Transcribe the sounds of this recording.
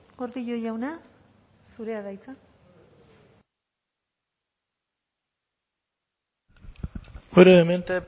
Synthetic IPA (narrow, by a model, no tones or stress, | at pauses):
oɾðiʎojawna | suɾeaɣajt͡sa | oɾoement̪e